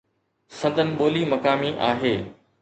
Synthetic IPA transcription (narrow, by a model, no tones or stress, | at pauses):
sɐ̃nd̪ʱənɪ̆ɓoːlimɐkaːmiʔaːɦeː